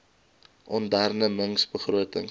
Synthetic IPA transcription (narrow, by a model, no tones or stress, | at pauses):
ɔndærnəməŋsbəχruətəŋ